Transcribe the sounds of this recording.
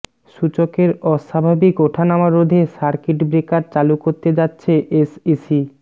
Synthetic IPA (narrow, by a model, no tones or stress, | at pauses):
ʃut͡ɕokeɾɔʃabʱabikoʈʰanamaɾod̪ʱeʃaɾkeʈbɾekaɾt͡ɕalukoɾt̪ed͡ʑatːɕʰeʔesisi